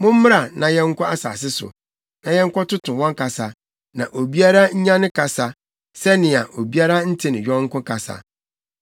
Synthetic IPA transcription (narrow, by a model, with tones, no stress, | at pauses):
mʊ̃˦m̩˦m˦ɾa˨nã˨jɛ̃˦ŋ̩˦kʷʰɔ˦a˦sa̰ː˨s̬ɪ˦sʊ̰˨ | nã˨jɛ̃˦ŋ̩˦kʷɔ˦tʊ˦tʰʊ̃˨wɔ̃˦ŋka˨sa˨ | nã˨ʔo˨bi˦a˦ɾa˦ɲ̩˦ɲã˦nɪ̃˦kʰa˨sa˨ | sɛ˦nɪ̃˨a˨ʔo˨bi˦a˦ɾa˦n̩˦tʰi˦nɪ̃˨ɥᶣɔ˦ŋ̩˦kʊ̃˦kʰa˨sa̰˨